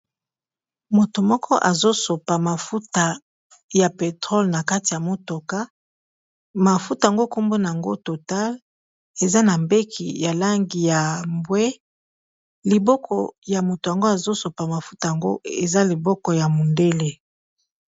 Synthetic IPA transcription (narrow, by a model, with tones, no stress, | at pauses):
mo˨to˨mɔ˦kʰɔ˦ʔa˨zo˦so˨pa˨ma˨fu˦ta˨ | ja˨pe˨tʁɔ˦lna˨ka˦ti˨ja˨mo˨to˨ka˦ | ma˨fu˦ta˨ŋɡo˦ko˦mbo˦na˨a˨ŋɡo̰˦to˨ta˦l | e˨za˦na˨mbe˦kʰḭ˨ja˨la˦ŋɡi˨ja˨mbwe˦ | li˨bɔ˦kʰɔ˨ja˨mo˨to˨ja˨ŋɡo˦a˨zo˦so˨pa˨ma˨fu˦ta˨ja˨ŋɡo̰˦e˨za˦li˨bɔ˦kɔ˨ja˨mo˨nde˦le˦